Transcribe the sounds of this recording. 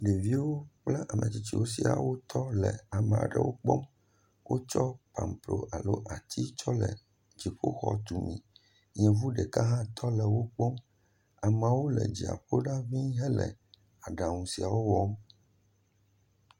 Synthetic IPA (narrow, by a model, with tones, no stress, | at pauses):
ɖe˨vi˦wo˦k͡pla˦ʔa˨mʔɛ̰̃˨t͡ɕi˨t͡ɕi˦wo˦si˨a̰˨wo˦t̪ʰɔ˦lɛ˨a˨mɛ̃˨a̰˨ɖɛ̰˨wo˦k͡pɔ˦m | wʔo˦t͡ʃɔ˦pa˨mplo˨ʔa˨lo˦ʔa˨t̪ʰi˦t͡ʃɔ˦lɛ˨ | d͡ʑi˨ɸo˦xɔ̰˦t̪u˨mḭ̃˨ | ɲɛ̃˨vu˦ɖɛ˨ka˦ɦã˦t̪ʰɔ˦lɛ˨wo˦k͡pɔ˦m | a˨ma˨wo˦lɛ̰˨d͡ʑi˨a̰˨ɸo˦ɖa˦vĩ˦ɦɛ˦lɛ̰˨ | a˨ɖa˨ŋũ˨si˨a˨wo˦wɔ˦m